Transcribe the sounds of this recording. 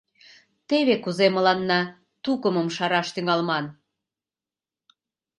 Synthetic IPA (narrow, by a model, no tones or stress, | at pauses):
t̪eβekuzemə̆lɑnːɑ | t̪ukəməmʃɑɾɑʃt̪yŋɑlmɑn